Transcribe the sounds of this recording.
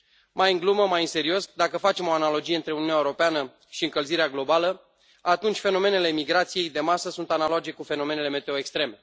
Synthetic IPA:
majɨŋɡluməmajɨnse̞ɾio̞sd̪akəfat͡ʃe̞mo̞analo̞d͡ʒije̞ɨnt̪ɾe̞ununaeuɾopeanə | ʃiɨŋkəlziɾeaɡlo̞balə | at̪unt͡ʃʲfe̞no̞me̞ne̞le̞miɡɾat̪sije̞jd̪e̞masəsunt̪anaload͡ʒe̞kufe̞no̞me̞ne̞leme̞t̪e̞oekst̪ɾe̞me̞

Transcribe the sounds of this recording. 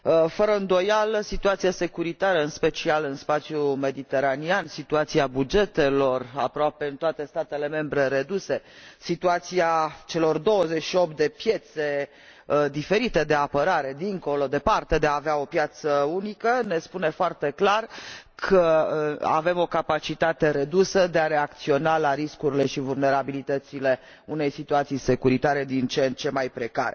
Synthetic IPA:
fəɾəɨnd̪o̞jalsit̪uat̪sijase̞kuɾit̪aɾəɨnspe̞t͡ʃialɨnspat̪sjume̞d̪it̪e̞ɾaniansit̪uat̪siabud͡ʒe̞t̪e̞lo̞ra̰pɾoape̞ɨnt̪oat̪e̞st̪at̪e̞le̞me̞mbɾe̞ɾe̞d̪use̞sit̪uat̪siat͡ʃe̞lo̞rd̪o̞wəze̞t͡ʃʃio̞p̚t̪̚d̪e̞pje̞t̪se̞ | d̪ife̞ɾit̪e̞d̪e̞apəɾaɾe̞d̪iŋko̞lo̞d̪e̞part̪e̞d̪e̞aːveao̞pjat̪səunikəne̞spune̞foart̪e̞klarkʰəa̰ve̞mo̞kapat͡ʃit̪at̪e̞ɾe̞d̪usəd̪e̞aɾe̞ak̚t̪sio̞nalaɾiskuɾile̞ʃivulne̞ɾabilit̪ət̪sile̞ | une̞jsit̪uat̪sijse̞kuɾit̪aɾe̞d̪int͡ʃent͡ʃe̞majpɾe̞ka̰ɾe

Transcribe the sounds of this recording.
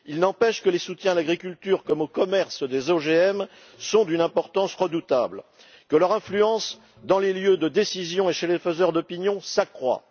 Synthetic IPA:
ilnɑ̃pɛʃkəlesut̪jɛ̃laɡʁikʲylt̪yʁkɔmokɔmɛʁsd̪ezoʒeɛm | sɔ̃d̪ynɛ̃pɔʁt̪ɑ̃sʁəd̪ut̪abl | kəlœʁɛ̃flyɑ̃s | d̪ɑ̃leljød̪əd̪esizjɔ̃eʃelefəzœʁd̪ɔpinjɔ̃sakχwa̰

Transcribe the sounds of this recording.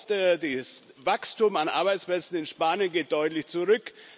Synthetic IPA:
tdis | vakstumanʔa̰ɐbaɪtsplɛt͡sn̩ɪnʃpaːnjənɡeːt̚d̥ɔʏtlɪçt͡suʁʏk

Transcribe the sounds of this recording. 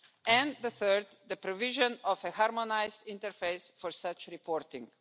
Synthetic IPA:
ʔɛ̃nd̪əθɜɾd̪d̪əpɾɔvɪʒɔ̃nɔfəhaɾmɔnaɪzd̪ĩnt̪əɾfeɪsfɔɹsʌt͡ʃɾipʰɔːɾt̪ɪ̰̃ŋɡ

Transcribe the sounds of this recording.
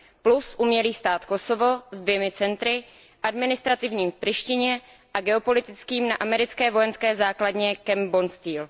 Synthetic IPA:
plusʔumɲɛliːst̪aːt̪ko̞sovo̞zdvjɛmɪt͡sɛnt̪ɾɪ | ʔadmɪnɪst̪ɾat̪ɪvɲiːmfprɪʃcɪɲɛ | ʔaɡɛo̞po̞lɪt̪ɪt͡skiːmnaʔamɛɾɪt͡skɛːvo̞jɛnskɛːzaːkladɲɛkɛmbonst̪iːl

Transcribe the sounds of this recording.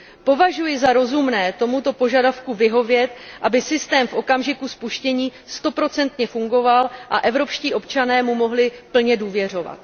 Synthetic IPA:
po̞vaʒujɪzaɾo̞zumnɛːt̪o̞mut̪o̞po̞ʒadafkuvɪɦo̞vjɛt̪ʔabɪsɪst̪ɛːmfʔo̞kamʒɪkuspuʃcɛɲiː | st̪o̞pɾo̞t͡sɛnt̪ɲɛfuŋɡo̞valʔa̰ʔɛvɾo̞pʃciːʔo̞pt͡ʃanɛːmumo̞ɦlɪpl̩ɲɛduːvjɛr̝o̞va̰t̪

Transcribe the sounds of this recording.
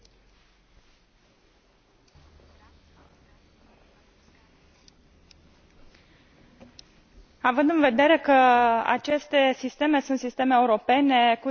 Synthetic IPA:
avɨnd̪ɨnve̞d̪e̞ɾe̞kəa̰t͡ʃe̞st̪e̞sist̪e̞me̞sunt̪sist̪e̞me̞ːuɾo̞pe̞ne̞ku

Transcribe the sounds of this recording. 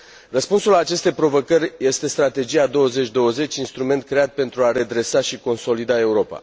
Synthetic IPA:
rəspunsulaːt͡ʃe̞st̪e̞jpɾo̞vo̞kərʲje̞st̪e̞st̪ɾat̪e̞d͡ʒijad̪o̞wəzet͡ʃʲd̪o̞wəze̞t͡ʃʲinst̪ɾume̞nt̪̚kɾeat̪̚pe̞nt̪ɾuaɾe̞d̪ɾe̞saʃiko̞nso̞lid̪ae̞uɾo̞pa̰

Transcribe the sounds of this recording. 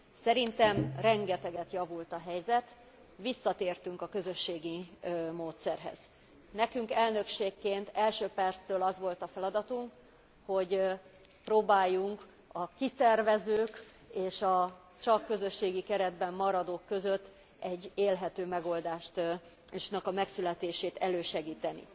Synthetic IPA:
sɛɾint̪ɛmrɛŋɡɛt̪ɛɡɛt̪jɒvult̪ɒɦɛjzɛt̪ | ʋisːɒt̪eːrt̪yŋkɒkø̞zø̞ʃːeːɡimoːt̪sɛrɦɛ̰z̥ | nɛkyŋkɛlnø̞kʃeːkːeːnt̪ɛlʃøːpɛrt̪st̪øːlɒzʋo̞lt̪ɒfɛlɒd̪ɒt̪uŋk | ho̞ɟ | pɾoːbaːjːuŋk | ɒkisɛrvɛzøːk | eːʃɒ | t͡ʃɒkːø̞zø̞ʃːeːɡikɛɾɛd̪bɛmːɒɾɒd̪oːkːø̞zø̞t̪ː | ɛɟːeːlɦɛt̪øːmɛɡo̞ld̪aːʃt̪ | ʃnɛkɒmɛksylɛt̪eːʃeːt̪ɛløːʃɛɡiːt̪ɛnḭ

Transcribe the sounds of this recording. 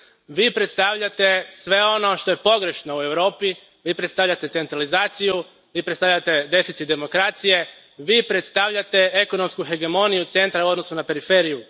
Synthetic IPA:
ʋiːpɾe̞t̪st̪aʋʎat̪e̞sʋe̞o̞no̞ʃt̪o̞je̞po̞ɡɾe̞ʃno̞ue̞ʋɾo̞ːpi | ʋiːpɾet̪st̪aʋʎat̪e̞se̞nt̪ɾalizaːt̪siju | ʋiːpɾet̪st̪avʎat̪e̞d̪e̞fit̪sit̪d̪e̞mo̞kɾaːt̪sije̞ | ʋiːpɾet̪st̪aʋʎat̪e̞eko̞no̞mskuxe̞ɡe̞mo̞nijut̪se̞nt̪ɾauo̞d̪no̞sunape̞ɾife̞ːɾiju

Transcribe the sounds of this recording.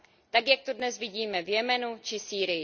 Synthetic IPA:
t̪akjak̚t̪odnɛzvɪɟiːmɛvjɛmɛnut͡ʃɪsiːɾɪjɪ

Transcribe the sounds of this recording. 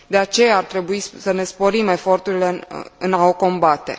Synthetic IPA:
d̪e̞at͡ʃe̞jaːrt̪ɾe̞buisəne̞spo̞ɾime̞fo̞rt̪uɾile̞̰ɨnaoko̞mbat̪e̞̰

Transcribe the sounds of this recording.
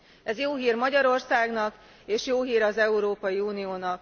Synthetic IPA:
ɛzjoːɦiːrmɒɟɒɾo̞rsaːɡnɒk | eːʃjoːɦiːɾɒzɛuɾoːpɒjiuːnijoːnɒk̚

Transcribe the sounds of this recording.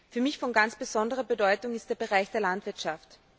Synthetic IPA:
fyːɐmɪçfɔnɡant͡sb̥əzɔndəʁ̞ɐbədɔʏtʊŋɪst̚d̥eːɐbeʁ̞aɪçd̥eːɐlantv̥ɪɐtʃaft

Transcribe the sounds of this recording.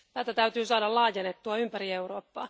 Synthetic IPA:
t̪æːt̪æt̪æyt̪yːsɑːdɑllɑːjenet̪ːuɑympæriewroːpːɑː

